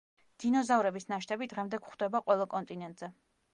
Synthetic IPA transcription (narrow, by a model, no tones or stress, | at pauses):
d̪̥inɔzavɾɛbisnaʃt̪ʰʼɛbid̪̥ʁɛmd̪ɛkχd̪̥ɛbaqʼwɛlˠɔkʼɔnt̪ʼinɛnt̪ʼz̥ɛ